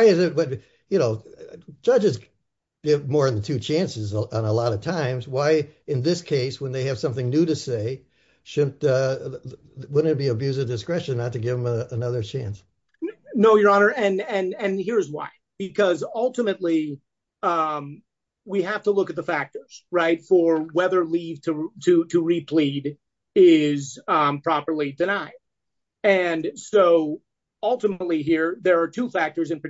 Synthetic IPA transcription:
waɪɨzɨt̚wʌt̚ | jɨnoʊ̥d͡ʒ̥ʌd͡ʒɨz | ɡ̥ɪvmɔɹɨ̃nðɨtʰʉt͡ʃʰæ̃nsɨzə̃n̩əlɑɾʌv̥tʰãɪ̃mzwaɪɨ̃nðɪskʰeɪswə̃nðeɪɨv̥sʌ̃mθɪ̃ŋnʉɾɨseɪ | ʃʊdⁿn̩tʌ | wʊdⁿn̩b̥iɨbjʉzɨvdɨskɹɛʃɨ̃nːətɨɡɪvə̃məənʌðə˞t͡ʃʰæ̃ns | noʊjə˞ɑnə˞ʔɨ̃nɨ̃nɨ̃nhiɹɨzwa̰ɪ | b̥ɨkʰʌzʌlˠtəmɨtˡli | ʌ̃m | wiɦæftəlʊkɨt̪̚ðəfæk̚tə˞z̥ɹaɪtfə˞wɛðə˞liv̥tʰɨtʰɨɾɨɹipʰl̥iɾ | ɪzpʰɹ̥ɑpə˞lˠidɨnaɪ | ɨ̃nsoʊ | ʌlˠtəmətˡliɦiɹðə˞ːtʰufæk̚tə˞zɨ̃npɨ

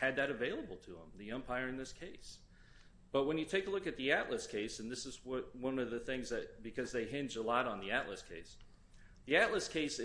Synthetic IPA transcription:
ɨd̪̚ðɨɾɨveɪlˠəbl̩ˠtʰɨə̰̃mðiɛ̃mpʰaɪə˞ɨ̃nðɪskʰeɪs | b̥ʌt̚wə̃njɨtʰeɪkəlʊkɨt̪̚ðiæʔləskʰeɪsɨ̃nðɪsɨzwʌt̚wʌ̃nʌvðɨθɪ̃ŋzðɨt̚b̥ɨkʰʌzðeɪɦɪ̃nd͡ʒəlɔɾn̩ðiæʔˡlə̰skʰeɪs | ðiæʔˡləskʰeɪs

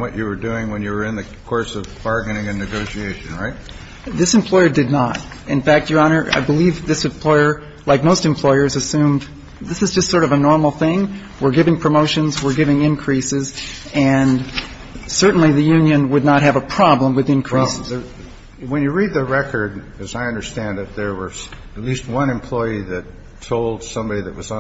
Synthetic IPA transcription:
wʌt͡ʃɨwə˞dʉɪ̃ŋwɨ̃njɨwə˞ɨ̃nðɨkʰɔɹsʌvbɑɹɡɨnɪ̃ŋɨ̃nɨɡoʊʃieɪʃɨ̃nɹaɪt̚ | ðɪsɨ̃m̩pʰl̥ɔɪə˞dɨdⁿnəɾ | ɨ̃nfæk̚tə˞ɑnə˞ʔa̰ɪbəlivðɪsɨ̃mpʰl̥ɔɪə˞ | laɪk̚moʊstɨ̃mpʰl̥ɔɪə˞zɨsʉ̃m | ðɪsɨzd͡ʒʌstsɔɹɾʌvənɔɹml̩ˠθɪ̃ŋ | wɪɹɡɪvɪ̃ŋpʰɹ̥ɨmoʊʃɨ̃nzwɪɹɡɪvɪ̃ŋɪ̃nkʰɹ̥isɪz | ɨ̃n | sɜ˞ʔn̩liðɨjʉ̃njɨ̃nwədⁿnət̚ɦɨvəpʰɹ̥ɑblə̃mwɨðɨ̃nkʰɹ̥is | wɨ̃njɨɹid̪̚ðɨɹɛkʰə˞d̚ | ʌzaɪʌ̃ndə˞stæ̃nðɨt̪̚ðə˞wə˞ | ɨtˡlist̚wʌ̃nɨ̃mpʰl̥ɔɪiðɨtʰː | oʊlˠd̥sʌ̃mbɑɾiðɨʔ̚wʌz

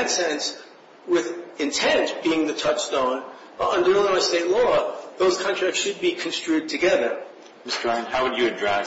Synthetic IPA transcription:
ɨtsɛ̃ns | wɪðɨ̃ntʰɛ̃ntb̥iɪ̃ŋðɨtʰʌt͡ʃstõʊ̃n | ʌ̃ndə˞lˠaɪsteɪtˡlɔðoʊz̥kʰɑ̃ntʰɹ̥æksʃɨd̚bikʰn̩stɹ̥ʉd̚tʰɨɡɛðə˞ | mɪstəɹãɪɨ̃nhaʊwɨd͡ʒɨɨdɹaɪ

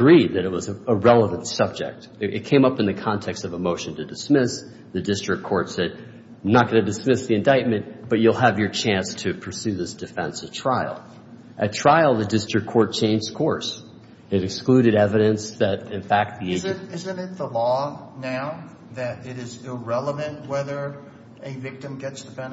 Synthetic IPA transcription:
əɡɹid̪̚ðɨɾɨt̚wʌzɨəɹɛlˠəvə̃ntsʌb̚d͡ʒɪ̰k̚t̚ɨ̰t̚kʰẽɪ̃mʌpɨ̃nðɨkʰɑ̃ntʰɛkstʌvəmoʊʃɨ̃n̩tʰɨdɨsmɪs | ðɨdɪstɹ̥ɨkʰɔɹtsɛd̚ | nət̚ɡ̥ʌnɨdɨsmɪsðiɨ̃ndaɪt̚mɨ̃nb̥ʌt͡ʃʉlˠəvjə˞t͡ʃʰæ̃nstʰɨpʰə˞sʉðɪsd̥ɨfɛ̰̃nsɨtʰɹ̥aɪlˠ | ʔɨtʰɹ̥aɪl̩ˠðɨdɪstɹ̥ɨkʰɔɹt̚t͡ʃʰẽɪ̃nd͡ʒz̥kʰɔɹs | ɨɾɨksklʉɾɨɾɛvɨɾɨ̃nsðɨɾɨ̃nfæk̚t̪̚ðizɾɪzɨ̃nɪt̪̚ðəlɔnaʊ | ðɨɾɪɾɪzɪlˠɹɛlˠəvɨ̃nʔ̚wɛðə˞ | ɨvɪk̚tɨ̃mɡɛtsd̥ɨpʰɛ̃n

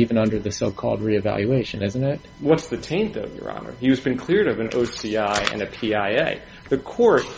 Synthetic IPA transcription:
ivɨ̃nʌ̃ndə˞ðɨsoʊkʰɔ̰lˠd̚ɹiɨvæ̰lˠjʉeɪʃɨ̃nɪz̃n̩tɪt̚wʌtsðɨtʰẽɪ̃nðovjə̰˞ɑ̰nə̰˞iʌzbɨ̃nkʰl̥ɪɹɾʌvɨ̃nʔo̰ʊsiaɪɨ̰̃nɨpʰiaɪeɪ | ðɨkʰɔɹt̚

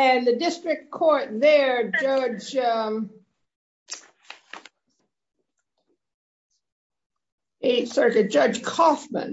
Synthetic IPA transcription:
ɨ̃nðɨdɪstɹ̥ɨk̚kʰɔɹt̪̚ðə˞d͡ʒʌd͡ʒ | eɪsɜ˞kɨd͡ʒʌd͡ʒʒ̥kʰɔfmə̰̃n

